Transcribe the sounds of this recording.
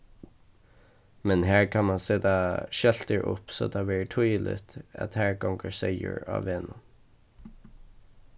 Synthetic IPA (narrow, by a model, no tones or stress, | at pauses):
mɛnɦæːɹkʰɑnmɑnseːd̪ɑʃɛlt̪əɹʔʊ̰pso̰ːd̪ɑːʋæːɹʈʰuɪlɪ̰t̪ɑ̰t̪hæːɹɡɔŋɡəɹseɪə̰ɹɑ̰ʋeːnə